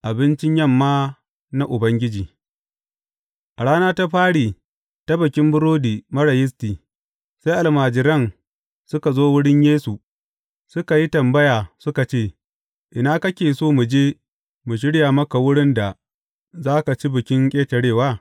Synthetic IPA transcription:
ʔa˨bɪ˦nt͡ʃɪ˦ɲjɐ˦˨mːaː˦ | na˦ʔʊ˨bɐ˦ŋɡʲɪ˦d͡ʒiː˨ | ʔa˨ɽaː˦naː˦ta˦ɸaː˦ɽiː˨ | ta˦bɐ˨kʲɪ˦mbʊ˦ɾoː˦diː˨mɐ˦ɽɐ˨jɪ˦s̬tiː˨ | sa˦jʔa˨lmaː˨d͡ʒɪ˨ɾɐ˦˨n | sʊ˦ka˨zoː˦wʊ˦ɽɪ˦ɲjeː˦su˨ | sʊ˦ka˨ji˦tɐ˨mbɐ˦jaː˨sʊ˦ka˨t͡ʃeː˦˨ | ʔɪ˨naː˦kɐ˦kʲeː˨soː˦mu˨d͡ʒeː˦ | mu˨ʃ̬ɪ˦ɽjaː˨mɐ˦ka˨wʊ˦ɽɪ˦nda˨ | zaː˦ka˨t͡ʃi˦bɪ˨kʲɪ˦ŋkʲʼeː˦tɐ˨ɽeː˦˨waː˦

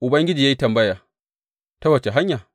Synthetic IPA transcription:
ʔʊ˨bɐ˦ŋɡʲɪ˦d͡ʒiː˨ja˦ji˦tɐ˨mbɐ˦jaː˨ | tɐ˦wɐ˨t͡ʃe˨ɦa˦ɲjaː˨

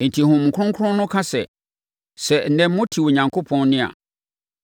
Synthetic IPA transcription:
n̩˨tʰi˨hʊ̃˨mŋ̩˨kʰʊ˦ʊ̃˦ŋkʰʊ˦ʊ̃˦nʊ̃˦kʰa˦sɛ˨ | sɛ˨n̩˨nɛ̃˨mː˦mʊ̃˦tʰi˨wo˨ɲã˨ŋkʰo˦pʰɔ̃˦nnɪ̃˦a̰˨

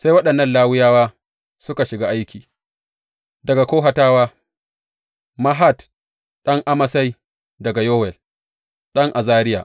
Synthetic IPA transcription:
sa˦jwɐ˦ɗɐ˨nːɐ˦˨nlaː˦wɪ˦jaː˦waː˦ | sʊ˦ka˨ʃɪ˨ɡaː˦ʔa˦jkʲiː˨ | dɐ˨ɡa˨kʷoː˦ɦa˨taː˦waː˦ | ma˦ɦa˦˨t | ɗɐ˦ŋʔa˦mɐ˨sa˦j | dɐ˨ɡa˨joː˦wɛ˨l | ɗɐ˦ŋʔa˨zaː˦ɾɪ˦ja̰ː˨

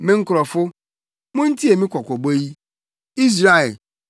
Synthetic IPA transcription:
mɪ̃˦ŋ̩˦kʊ˨ɾɔ˨fʊ˦ | mʊ̃˦n̩˦ti˦e˨mɪ̃˦kʷɔ˨kʷɔ˨bo˦ji˦ | i˦s̬ɾa˦˨e˨

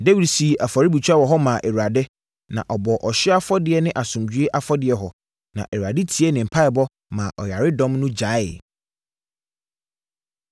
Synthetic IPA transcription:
de˦wi˨dsi˨ʔa˨fa˨ɾɪ˦bi˨t͡ɕʰᶣa˦wɔ˨ɦɔ˦mã˨ʔe˨wu˨a˨dɪ˦ | nã̰˨ʔɔ˨bɔ˨ʔɔ˨ɕɪ˦a˦fɔ˦dɪ˨ɛ˨nɪ̃˦ʔa˨sʊ̃˨md͡ʑɥe˦ʔa˨fɔ˦dɪ˨ɛ˨ɦɔ˨ | nã̰˨ʔe˨wɥa˨dɪ˦tʰi˨˦ɛ˦nɪ̃˨m̩˨pʰa˦ɪ˨bɔ˦ | mã˨ʔɔ˨ja˨ɾɪ˦dɔ̃˦mnʊ̃˦d͡ʑa˨˦ɪ˨

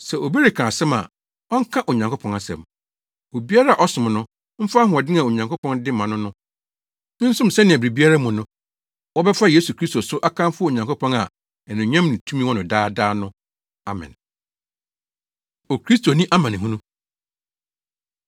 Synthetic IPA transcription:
sɛ˨ʔo˨bi˦ɾɪ˨kʰã˨sɛ˦ma̰˨ | ɔ˦ŋ̩˦kʰã˦ʔo˨ɲã˨ŋkʰo˦pʰɔ̃˨ŋa˨sɛ̰̃˨m | o˨bi˦a˦ɾa˦a˨ʔɔ˦sʊ̃˨m˨nʊ̃˦ | m̩˦fa˦ɦʊ̃˦˨ɔ˨dɪ̃˦nã˨o˨ɲã˨ŋko˦pʰɔ̃˦ndɪ˦mã˨nʊ̃˦nʊ̃˦ | nɪ̃˦n̩˦sʊ̃˦m̩˨sɛ˦nɪ̃˨æ˨bɾi˨bi˦a˦ɾa˦mũ˨nʊ̃˦ | wɔ˦bɛ˦fa˦je˦su˨kʰɾi˦sto˨sʊ˦ʔa˦kʰã˦m˦fʊ˦o˨ɲã˨ŋko˦pʰɔ̃˦ŋa˨ | ɛ˨nʊ̃˨˦ɲã˦mnĩ˨tʰũ˦mĩ˦wɔ̃˦nʊ̃˨daː˦daː˦nʊ̃˦ | a˨mɛ̰̃˨n | o˨kʰɾi˦stʰo˨nĩ˦ʔa˦mã˨nɪ̃˨ɦũ˦nũ˦

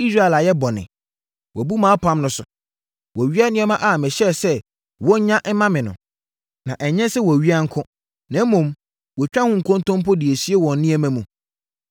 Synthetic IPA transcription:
i˦sɾa˦ɛ˨la˨jɛ˦bɔ˨nɪ̰̃˨ | wɔ˨bu˦mãː˨˦pʰã˦mnʊ̃˦sʊ˨ | wɔ˨ɥi˦a˦nɪ̃˦ɛ˦mã˦ʔa˨mɪ̃˨ɕɛ˦˨sɛ˦ | wɔ̃˦ɲã˦ʔɛ˦mã˦mɪ̃˨nʊ̰̃˨ | nã˨ʔɛ˨ɲɛ̃˦sɛ˦wɔ˨ɥi˦a˦ŋ̩˦kʰʊ̃˦ | nã˨˦mɔ̃˨m | wɔ˨t͡ɕᶣa˦hʊ̃˦ŋ̩˨kʰɔ̃˦n˦tʰɔ̃˦mpʰɔ˦dɪ˨æ˨si˦e˦wɔ̃˨nː˦ɪ̃˦ɛ˨mæ̃˦mũ˨

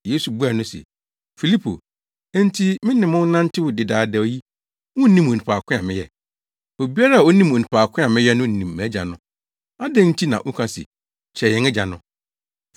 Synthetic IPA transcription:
je˦su˨bu˦a˨nʊ̃˦sɛ̰˨ | fi˨li˦pʰo̰˨ | ɛ̃˦n˦tʰi˦mɪ̃˦nɪ̃˨mʊ̃˦n̩˦nã˦n̩˦tʰɪ˦wʊ˨dɪ˨daː˨˦dɛ˨o˦ji˦ | wʊ̃˦n˦nĩ˦mo˨ũ˨pʰaː˨kʷʰʊ̃˦a̰˨mɪ̃˦jɛ˨ | o˨bi˦a˦ɾa˦a˨o˦nĩ˦mo˨nĩ˨pʰaː˨kʰʊ̃˦a˨mɪ̃˦jɛ˦nʊ̃˦n̩˨nĩ˨mːæ̃˨˦d͡ʑa̰˨nʊ̃˦˨ | a˦dɛ̃˦n̩˦tʰi˦nã̰˨ʔʊ̃˦kʰã˦sɪ̰˨ | t͡ɕʰɛ˨ɛ̃˨˦ŋɛ˦d͡ʑa˨nʊ̰̃˦

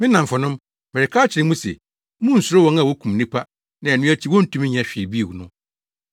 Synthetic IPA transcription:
mɪ̃˦nã˨m˨fɔ˨nʊ̃˦m | mɛ˨ɾɛ˨kʰaː˦t͡ɕʰɪ˨ɾɪ̃˦mũ˦sḛ˨˦ | mũ˦n̩˨sʊ˨ɾʊ˦wɔ̃˦na˨wɔ˦kʰũ˨m˨nĩ˦pʰa˦ | nã˨ɛ˨nʊ̃˦æ˦t͡ɕʰi˦wɔ˦n̩˦tʰũ˦m̃˦ɲ˨ɛ̃˨ɕᶣɪ˨bi˦˨wu˨nʊ̃˦

